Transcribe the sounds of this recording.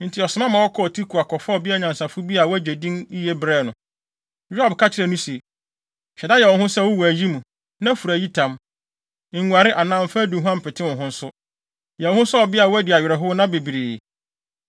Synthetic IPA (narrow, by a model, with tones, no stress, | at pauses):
n̩˨tʰɪ˨ɔ˨sɪ˨mã˦mã˨wɔ˦kʰɔ˦ɔ˨tʰi˦kʰu˨a˨kʰɔ˨fa˦ɔ˨bi˦a˦ɲã˨n˨sa˨fʊ˦bi˦a˨wɔ˦æ˦d͡ʑe˨dĩ˦ni˦jɛ˦bɾɛː˦˨nʊ̃˨ | jᶣʊ˦a˦˨bkʰa˦t͡ɕʰɪ˦ɾɛ˦˨nũ˦se˨ | ɕᶣɛ˨da˦jɛ˨wɔ̃˨hʊ̃˦sɛ˦˨wʊ˦wu˨æ˨ji˦mũ˨ | nã˦fu˨ɾæ˨ji˦tʰã˨m̩˨ | ŋu˨a˨ɾɪ˦ʔa˨nã˦m˦fa˦dũ˨ɦũ˦ã˦m̩˨pʰɪ˨tʰɪ˦wɔ̃˨ɦʊ̃˦n̩˦sʊ˦ | jɛ˨ɔ̃˨hʊ̃˦sʊ˦ɔ˨bɪ˦a˨wɔ˦æ˦dɪ˨a˨ɥɾɛ˨ɦʊ˦nã˦be˨bi˨ɾiː˨